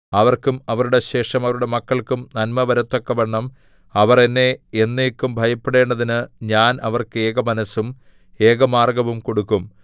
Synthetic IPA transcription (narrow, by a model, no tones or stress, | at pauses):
ɐʋɐrkumɐʋɐɾuɽe̞ɕe̞ːʂɐmɐʋɐɾuɽe̞mɐkːɐɭkumnɐnmɐʋɐɾɐt̪ːo̞kːɐʋeɳːɐm | ɐʋɐrenːe̞ːnːeːkːumbʱɐjɐpːeɽe̞ːɳɖɐðinɨɲaːnɐʋɐrkɨeːɡɐmɐnɐsːum | e̞ːɡɐmaːrɡɐʋumko̞ɽukːum